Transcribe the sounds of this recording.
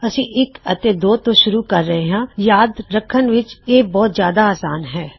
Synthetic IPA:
ɐsĩːʔɪkət̪ed̪oːt̪õːʃʊɾuːkəɾːəɦeɦãːjaːd̪ɾəkʰːənʋɪt͡ʃeːbɔːt̪zjaːd̪aaːsaːnɦɛː

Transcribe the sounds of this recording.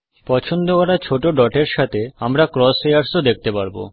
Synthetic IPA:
pɔt͡ɕʰond̪okɔɾat͡ɕʰoʈoɖɔʈeɾʃat̪ʰeamɾakɾɔsejaɾsod̪ek̚t̪epaɾbo̰

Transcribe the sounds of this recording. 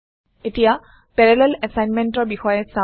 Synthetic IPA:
etija | pɛɹɛlɛlɛsajnmɛntɔɹbixɔjɛsa

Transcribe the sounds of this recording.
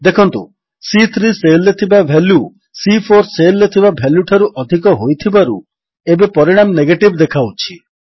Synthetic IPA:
d̪ekʰɔnt̪ṵ | sit̪ʰɾiselːet̪ʰibabʱelju | sipʰoɾselːet̪ʰibabʱeljuʈʰaɾuʔɔd̪ʱikɔɦojt̪ʰibaɾu | ebepɔɾiɽ̃amneɡeʈibd̪ekʰawt͡ʃʰi

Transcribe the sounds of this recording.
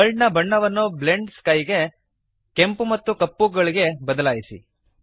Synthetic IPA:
ɐɭnɐbɐɳːɐʋɐnːuble̞ɳɖskɐjɡe̞ | kempumɐt̪ːukɐpːuɡɐɭiɡe̞bɐd̪ɐlaːjisḭ

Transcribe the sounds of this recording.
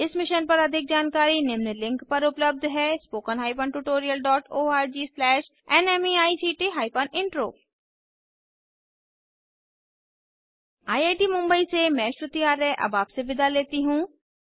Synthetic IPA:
ɪsmɪʃənpɐɾɐd̪ʱɪk̚d͡ʒaːnkaːɾinɪmnəlɪ̃ŋkpɐɾʊpləb̚d̪ʱɦɛːspoːkənɦaːipənʈuːʈoːɾijəlɖɔːʈoːaːɾd͡ʒiːslɛːʃ | ɛnɛmiaːisiːʈiɦaːɪpənɪ̃ɳʈɾo̰ː | aːiaːʈimʊ̃mbəisemɛ̃ːʃɾʊt̪ijaːɾːɛʔɐ̰baːpseʋɪd̪ʱaleːt̪iɦũː

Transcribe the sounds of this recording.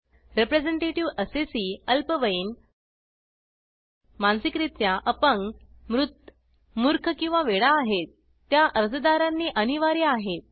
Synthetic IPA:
ɾepɾed͡zeɳʈeʈiʋəsesiːəlpəʋəin | mansikɾit̪jaʔəpəŋɡmɾut̪ː | muɾkʰkĩw̃ʋaʋeɽaːɦet̪ː | jaʔəɾd͡zəd̪aɾanːiːʔəniʋaɾiaɦet̪̚

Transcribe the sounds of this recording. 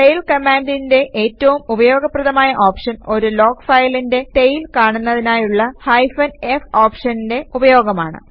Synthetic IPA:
t̪ejlkɐmaːndinde̞ʔeːtːɐʋumubɐjo̞ːɡɐprɐðɐmaːjɐʔoːpʂɐno̞ɾulo̞ːkfɐjlinde̞t̪ejilkaːɳunːɐðinaːjuɭːɐhɐjfɐnefoːpʂɐninde̞ubɐjo̞ːɡɐmaːɳɨ̰

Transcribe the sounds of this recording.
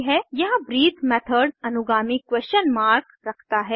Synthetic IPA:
ɦɛjɐɦãbɾiːt̪mɛːt̪ʰəɾɖɐnʊɡaːmikwɛst͡ʃənmaːɾkɾɐkʰt̪aɦɛː

